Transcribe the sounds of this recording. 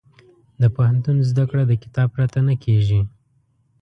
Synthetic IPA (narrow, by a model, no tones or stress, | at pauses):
d̪əpahant̪unzd̪akɽad̪əkɪ̥t̪ɑb̚pɾat̪anakʰeʒi